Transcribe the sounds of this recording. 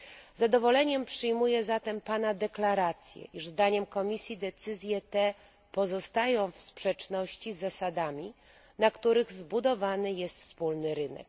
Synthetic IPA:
zad̪ɔvɔlɛɲɛmpʂɘjmujɛzat̪ɛmpanad̪ɛklaɾat̪sʲjɛ̰ʔiʐzd̪aɲɛmkɔmʲisʲjid̪ɛt̪sɘzʲjɛt̪ɛ | pɔzɔst̪ajɔ̃w̃fspʂɛt͡ʂnɔɕt͡ɕizːasad̪amʲi | nakt̪uɾɘɣzbud̪ɔvanɘjɛst̪fspulnɘɾɘnɛ̰k̚

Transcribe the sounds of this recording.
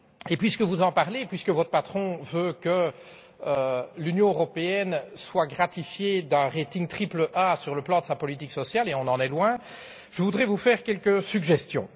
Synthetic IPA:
epɥiskəvuzɑ̃paʁlepɥiskəvɔt̪χəpat̪χɔ̃vøkə | ølynjɔ̃øʁɔpeɛnswaɡʁat̪ifjed̪ɛ̃ʁet̪iŋt̪χipləʔasyʁləplɑ̃d̪əsapɔlit̪iksɔsjaleɔ̃nɑ̃nɛlwɛ̃ | ʒəvud̪ʁɛvufɛːʁkʲɛlkəsyɡʒɛst̪jɔ̰̃

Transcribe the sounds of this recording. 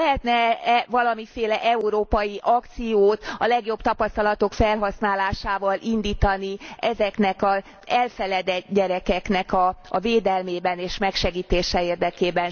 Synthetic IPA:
ɛɦɛt̪nɛvɒlɒmifeːlɛʔɛuɾoːpɒjiʔɒkt̪sijoːt̪ɒlɛɡjo̞bt̪ɒpɒst̪ɒlɒt̪o̞kfɛlɦɒsnaːlaːʃaːvɒlʔind̪iːt̪ɒniɛzɛknɛkɒ | ɛlfɛlɛd̪ɛɟɛɾɛkɛknɛkɒːveːd̪ɛlmeːbɛneːʃmɛkʃɛɡiːt̪eːʃɛeːrd̪ɛkeːbɛn

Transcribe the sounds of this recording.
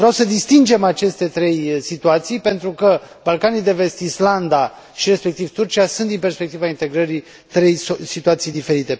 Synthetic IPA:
vɾeawsəd̪ist̪ind͡ʒe̞mat͡ʃe̞st̪e̞t̪ɾe̞jsit̪uat̪sijpe̞nt̪ɾukə | balkanid̪e̞ve̞st̪island̪a | ʃiɾe̞spe̞k̚t̪ivt̪urt͡ʃiasunt̪d̪inpe̞rspek̚t̪ivaint̪e̞ɡɾəɾi | t̪ɾe̞jsit̪uat̪sijd̪ife̞ɾit̪e̞

